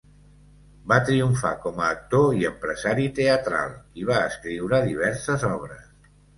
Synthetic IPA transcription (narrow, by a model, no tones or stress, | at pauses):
bat̪ɾiuɱfa̰kɔməːk̚t̪oiəmpɾəzaɾit̪eət̪ɾa̰lˠiβ̞aəskɾiwɾəðiβ̞ɛɾsəzɔβɾəs